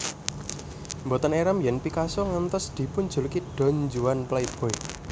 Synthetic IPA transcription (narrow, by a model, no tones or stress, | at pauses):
mbɔt̪əneɾamjɛnpikasɔŋənt̪ɔsd̪̥i̤pʊn̥d͡ʒ̥ṳlkiɖ̥ɔ̤ɲd͡ʒuwanplaib̥ɔ̤e